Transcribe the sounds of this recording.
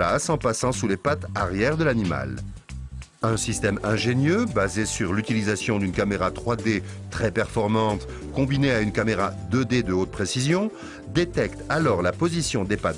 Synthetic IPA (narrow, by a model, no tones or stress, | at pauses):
asɑ̃pasɑ̃sulepat̪aʁjɛʁd̪əlanima̰l | ɛ̃sist̪ɛmɛ̃ʒenjøbazesyʁlyt̪ilizasjɔ̃d̪ynkameʁat̪χwad̪e | t̪χɛpɛʁfɔʁmɑ̃t̪ | kɔ̃bineaynkameʁa̰d̪əd̪ed̪əot̪̚pχesizjɔ̃ | d̪et̪ɛkt̪alɔʁlapozisjɔ̃d̪epat̪